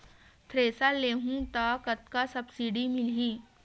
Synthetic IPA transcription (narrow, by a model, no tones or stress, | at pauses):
t̪ʰɾeːsaleːɦũt̪aːkət̪kasɐbsiːɖimɪlɦiː